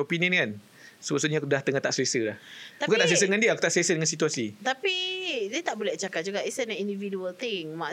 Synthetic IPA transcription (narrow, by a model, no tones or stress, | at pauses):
opiniə̃nkan | səbəsuɲadaht̪əŋat̪aʔsəesəlahbbukant̪aʔsəes̬ədəŋandiəaku̥t̪aʔsəesədəŋansit̪uasit̪apidiət̪aʔbolɛht͡ʃakad͡ʒuɡaʔisənindividuəlt̪ɪŋmã